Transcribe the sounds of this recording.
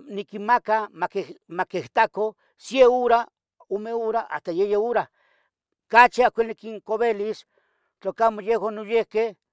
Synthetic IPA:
nikinmakamakehmakeht̪ako | sjeoɾa | omeoɾaʔa̰st̪ajejeoɾa | kat͡ʃiakʷelnikiŋkoβelis | t͡ɬokamojewanojehkeh

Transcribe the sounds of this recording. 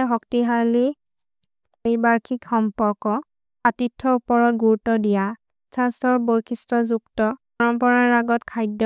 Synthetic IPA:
ɦɔktiɦali | poɹibaɹkʰikxɔmpɔɹkɔ | atitʰːɔupɔɹɔt̚ɡuɹutːɔdija | sʰastɔɹbojkʰistɔzuktɔpɔɹɔmpɔɹaɹaɡɔtkʰajdɔ

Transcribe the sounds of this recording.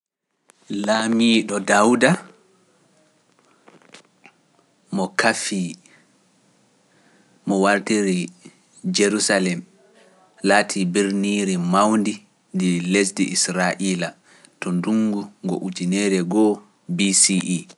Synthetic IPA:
laːmiːɗɔdawda | mɔkafi | ɔwaɾtiɾi | d͡ʒeɾusalɛm | laːtʰibiɾniɾimawndi | ndilesdiʔisɾaʔiːla | tɔnduŋɡuŋɡɔ̰ʔud͡ʒinɛɾɛɡɔ | bisiʔi

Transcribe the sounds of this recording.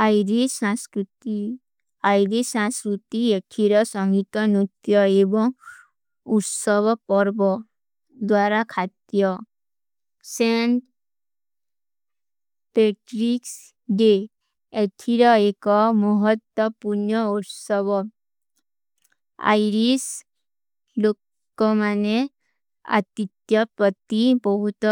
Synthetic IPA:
ajɾisãskɾut̪i | ajɾisãskɾut̪ieʈʰiɾɔsɔŋɡit̪ɔnut̪jɔebɔŋ | uʈsɔbɔpɔɾbɔ | d̪waɾakʰat̪jɔ | seɳʈ | peʈɾiks | ɖe | eʈʰiɾɔekɔmɔɦɔt̪wɔpuɾnɔuʈsɔbɔ | a̰jɾis | lokː | ɔmane | a̰t̪it̪jɔpɾɔt̪ibɔɦut̪

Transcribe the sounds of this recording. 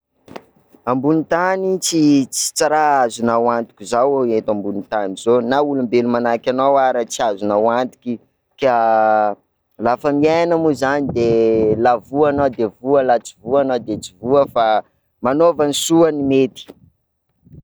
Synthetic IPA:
ambunit̪anit͡sit͡si̥t͡saɾaazunawant̪i̥kʲizawaet̪ambunit̪anizonaulumbelumanakʲanawaɾət͡siazunawand̪i̥kʲi | ka | lafəmianəmuzanid̪elavuanawd̪evualat͡sivuanad̪et͡sivuəfa | manovanisuənimet̪i̥

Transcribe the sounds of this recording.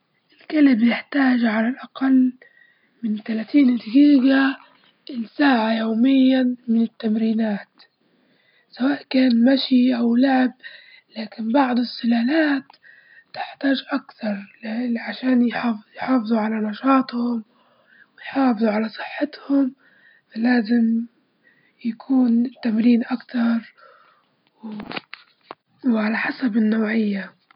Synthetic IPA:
ʔɪlkalɪbjɪħt̪aːʒʕalalʔaqalː | mɪnt̪alaːt̪iːnd̪ɪɡiːɡa | ʔɪlsaːʕajoːmɪjːamɪnɪt̪ːamɾiːnaːt̪ | sawaːʔkaːnmaʃiʔawlaʕɪb̚ | laːkɪnbɑʕd̪ˤɨsˤːɨlaːlaːt̪ː | ɪ̥ħt̪aːʒʔakt̪ɑɾˤʕaʃaːnjħɑjħɑːfɨðˤuʕalanɑʃɑːt̪ˤhʊm | wɪjħɑːfɨðˤuʕalasˤɨ̥ħːɪt̪hʊm | falaːzɪm | jakʰuːnt̪amɾiːnʔakt̪ɑɾˤ | wʕalaħasabɪnːaːʕɪjːa

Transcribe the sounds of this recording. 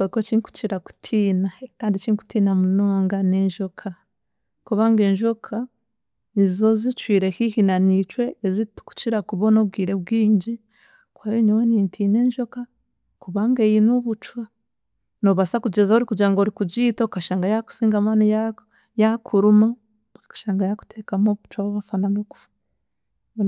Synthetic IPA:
oikot͡ʃiŋku̥ciɾaku̥tʰiːnakaːndit͡ʃiŋku̥tiːnamunoːŋɡane̞ːɲʒokʰa | kuβaːŋɡe̞ːɲʒokʰa | nizizo̞zit͡ʃwiːɾekihinanit͡ʃwe̞ːzitku̥ciɾakuβo̞no̞b̚ɡiːɾe̞bɡiːɲɟi | kwajoɲowenintʰine̞ːɲʒoka | kuβaŋɡejinoβut͡ʃwa | noβasakuɟezaoɾikuɟaŋɡoɾikuɟitokaʃaːŋɡajaku̥siːŋɡamanija | jakʰuɾuma | kḁʃaːŋɡajaku̥tʰekamoβut͡ʃwaβoβafananoku̥fḁ

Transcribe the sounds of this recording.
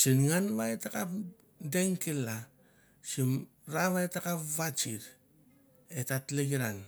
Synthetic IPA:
sinŋanβaetakap | deŋkela | sim | ɾaβaetakapβat͡ʃiɾ | etatleɡiɾan

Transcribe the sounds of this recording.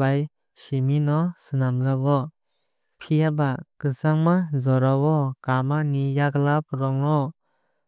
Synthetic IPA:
aj | siminɔsɯnamlaɡɔ | pʰijabakɯsaŋmazɔɾawɔkamanijaɡlap̚ɾɔŋɾɔ

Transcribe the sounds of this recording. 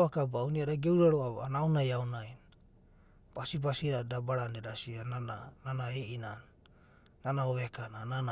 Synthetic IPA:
akabauniaɾaɡewɾaɾoaβanawnajawnaj | pasipasiɾadabaɾandeɾasiananananaeʔinanː | anaoβekananana

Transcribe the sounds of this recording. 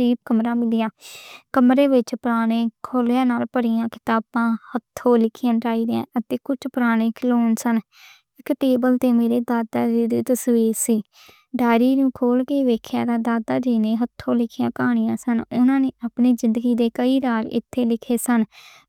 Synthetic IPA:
ɾiːb̚kəmɾãːmɪlɪjãːkəmɾeːʋɪt͡ʃpɾaːɽ̃ẽːkʰoːljãːnaːlpəɽɪjãːkɪ̥t̪aːbãːhət̪ʰːõːlɪkʰɪjãːʈaːiːd̪ãːʔət̪eːkʊt͡ʃʰpɾaːɽ̃ẽːkʰloːnsən | ɪkʈeːbəlt̪eːmeːɾeːd̪aːd̪aːd͡ʒiːd̪iːt̪əsʋiːɾsiː | ɖaːɾiːnũːkʰoːlkeːʋeːkʰja̰ːd̪aːd̪aːd̪aːd͡ʒiːneːɦət̪ʰːõːlɪkʰɪjãːkaːɽ̃ɪjãːsənʊnãːneːʔaːpniːzɪ̃nd̪əɡiːd̪eːkəiːɾaːɾɪ̰t̪ʰːeːlɪkʰeːsən

